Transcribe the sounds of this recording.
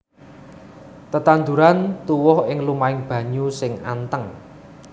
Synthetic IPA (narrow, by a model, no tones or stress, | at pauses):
t̪ət̪and̪uɾant̪uwɔhɪŋlumaɪŋb̥ä̤ɲusɪŋa̰nt̪əŋ